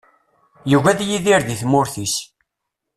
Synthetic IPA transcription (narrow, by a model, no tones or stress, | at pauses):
juɣæðjiðiɾðiθmʊɾθis